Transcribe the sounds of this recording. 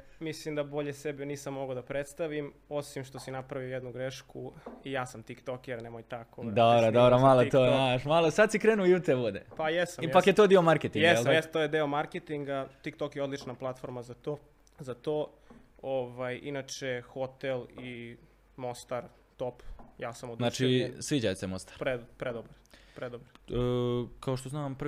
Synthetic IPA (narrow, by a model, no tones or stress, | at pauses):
mislimd̪abo̞ʎesebiniːsamːo̞ɡod̪apɾet̪st̪aʋim | osimʃt̪o̞sinapɾaʋiojed̪nuɡɾeʃkuijaːsamt̪ikt̪okjɛɾnemojt̪akod̪obɾod̪obɾomalot̪ojenaʃmalˠosad̪sikɾeːnujut̪ebod̪ḛpajesamijpakkjet̪oːd̪iomaɾket̪iŋjɡɛslamest̪ojd̪eomaɾket̪iŋɡat̪ikt̪okjeo̞d̪lit͡ʃnaplˠat̪fo̞ɾmazat̪oː | zat̪o | oʋajinat͡ʃexot̪eli | most̪aɾ | t̪opjaːsamuznat͡ʃisʋiːd͡ʑajsemost̪aɾpɾepɾed̪obɾ | pɾed̪obɾ | kaoʃt̪oznaːmp